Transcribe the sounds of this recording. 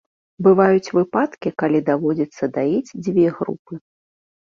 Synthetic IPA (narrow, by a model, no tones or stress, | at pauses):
bɨvajut͡sʲvɨpat̪kʲikalʲid̪avɔd͡zʲit̪sːɐd̪aid͡zʲd͡zʲvʲɛɣɾṵpɨ